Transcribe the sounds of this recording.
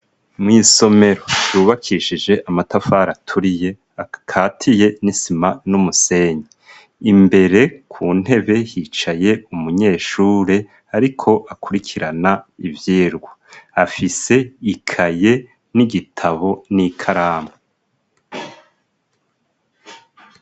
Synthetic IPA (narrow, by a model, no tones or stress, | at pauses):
mŋiːso̞me̞ɾo̞juːβakʰiʃid͡ʒe̞ʔamatafaɾatʰuɾije̞ | kʰaːtʰije̞nisimanumuse̞ɲe | imbe̞ɾe̞kʰuːn̥he̞βe̞jit͡ʃaje̞umuɲe̞ːʃuːɾe̞ | aɾikʰo̞ʔakʰuɾikʰiɾanaivjiːɾɡwaafise̞ikʰaje̞ | niɡitʰaβo̞nikʰaɾaːmo